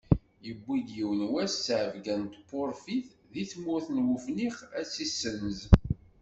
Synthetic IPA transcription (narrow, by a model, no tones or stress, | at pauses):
jəbːid̪jiwənwæsːʕəvɡænt̪pːoɾfiθ | ðiθmʊθnwufniχæt͡sːisːənəz